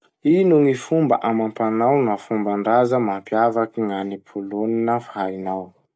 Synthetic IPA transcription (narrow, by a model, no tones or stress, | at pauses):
inuŋifumbəʔamampanawnafumbaɳɖ͡ʐazəmampjavakiŋanipʰuloninəfainaw